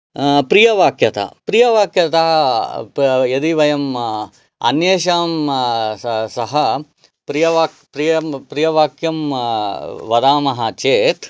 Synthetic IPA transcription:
pɾijɐʋaːkʰjɐt̪ɐ̰pɾijɐʋaːkjɐt̪ɐ | jɐd̪iʋɐjɐm | ɐ̰njeːʃaːm | sɐɦɐ | pɾijɐʋaːkpɾijɐmpɾijɐʋaːkjɐm | ʋɐd̪aːmɐɦɐt͡ʃeːt̪

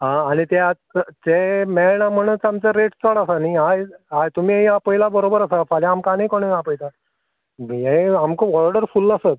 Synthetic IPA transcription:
ɦãːñit̪ja | temɛɭɳam̤əɽ̃ət͡samt͡səɾeʈt͡sɔɽasaniajajt̪um̤iːiapəjlabəɾobəɾasafaljamkanikoɳ̃eapəjt̪a | eamkopɔɾɖəɾfuləsət̪

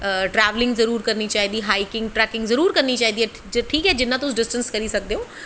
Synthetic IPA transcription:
ʈɾɛːʋlɪ̃ŋɡzɐɾuːɾkɐɾnit͡ʃaːɦid̪iɦaːikɪ̃ŋɡ̚ʈɾɛːkɪ̃ŋɡzɐɾuːɾkɐɾnit͡ʃaːɦĩd̪iɛː | ʈʰiːkɦɛːd͡ʑɪnːãt̪ʊsɖɪsʈə̃nskɐɾisɐɡ̚d̪ijõː

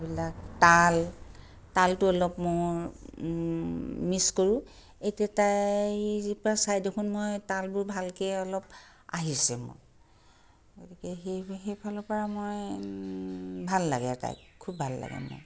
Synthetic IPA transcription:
bilaktal | taltʊɔlɔpmoj | miskɔɹʊ̃ | ejtiatajzipɔɹasajdekʰunmojtalbʊɹbʱalkɛɔlɔp̚ | a̰ɦisɛmo̰ | ɡotikɛɦexejpʰalɔpɔɹamoj | bʱalːa̰ɡɛ̰ta̰jkkʰubʱalːa̰ɡɛ̰mo̰j

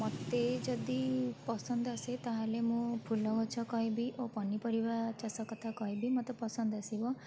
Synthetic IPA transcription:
mɔt̪ed͡ʒɔd̪ipɔsɔnd̪aset̪aɦalemũpʰulɔɦɔt͡ʃʰɔkɔɦĩbiʔopɔnipɔɾibat͡ʃasɔkɔt̪ʰakɔɦĩbimɔt̪ɔpɔsɔnd̪asibɔ

